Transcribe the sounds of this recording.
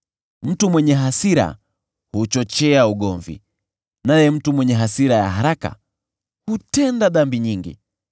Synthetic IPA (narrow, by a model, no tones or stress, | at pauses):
m̩tumwɛɲɛɦasiɾa̰ | hut͡ʃɔt͡ʃɛauɠɔɱvḭ | najɛm̩tumwɛɲɛɦasiɾaja̰ɦaɾaka̰ | hutɛndaɗambiɲiŋɡḭ